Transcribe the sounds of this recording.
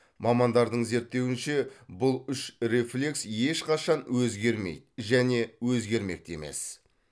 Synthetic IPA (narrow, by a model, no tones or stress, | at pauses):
mɑmɑnd̪ɑɾd̪əɴze̞ɾt̪ːe̞wɪnʃe̞bʊlˠʏʃre̞flʲe̞ksje̞ʃqʰɑʃɑnwɵzɡʲe̞ɾmḛj̪ʒæne̞wɵzɡʲe̞ɾme̞̰k̚t̪e̞̰me̞̰s